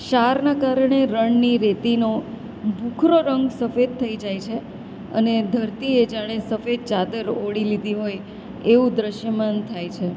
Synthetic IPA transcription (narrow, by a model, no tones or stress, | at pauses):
ʃaɾnakaɾɳeɾəɳniɾet̪ino | bʱukʰɾoɾəŋɡsəfed̪̚t̪ʰəid͡ʒajt͡ʃʰe | ə̰ned̪ʱəɾt̪ied͡ʒaɽ̃esəfed̪̚t͡ʃad̪əɾoɽilid̪iɦoj | eʋũd̪ɾəʃjəmant̪ʰajt͡ʃʰe